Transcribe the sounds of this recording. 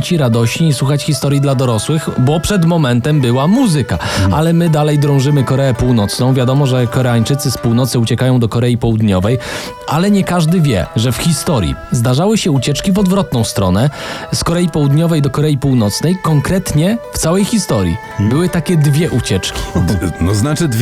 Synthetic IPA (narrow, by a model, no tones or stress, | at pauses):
t͡ɕiɾad̪ɔɕɲiːswuxat͡ɕxʲist̪ɔɾʲjid̪lad̪ɔɾɔswɘxbɔpʂɛd̪mɔmɛnt̪ɛmbɘwamuzɘka̰a̰lɛmɘd̪alɛjd̪ɾɔ̃w̃ʐɘmɘkɔɾɛɛpuwnɔt̪snɔ̃w̃vʲjad̪ɔmɔʐɛkɔɾɛaɲt͡ʂɘt̪sɘspuwnɔt̪sɘut͡ɕɛkajɔ̃w̃d̪ɔkɔɾɛjipɔwud̪ɲɔvɛj | ʔalɛɲɛkaʐd̪ɘvʲjɛ̰ʐɛfxʲist̪ɔɾjḭzd̪aʐawɘɕɛut͡ɕɛt͡ʂkʲivɔd̪vɾɔt̪nɔ̃w̃st̪ɾɔnɛskɔɾɛjipɔwud̪ɲɔvɛjd̪ɔkɔɾɛjipuwn̪ɔt̪snɛjkɔŋkɾɛt̪ɲɛft̪sawɛjxʲist̪ɔɾʲjḭ | bɘwɘt̪akʲɛd̪vʲjɛʔut͡ɕɛt͡ʂkʲi̥nɔznat͡ʂɘd̪ʲ